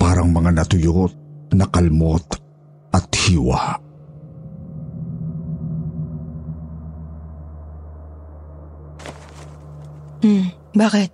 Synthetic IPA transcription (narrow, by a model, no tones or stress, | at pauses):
paːɾɐŋmɐŋanɐt̪ʊjot̪̚nɐkɐlmot̪ | ɐt̪hiːwa̰ | baːkɪt̪̚